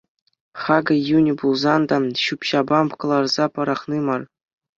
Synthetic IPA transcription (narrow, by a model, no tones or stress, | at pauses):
χɑɡɤ̆junʲibulˠzɑnd̪ɑɕupɕɑbɑmkɤ̆lˠɑrz̥ɑpɤ̆ɾɑχnimɑr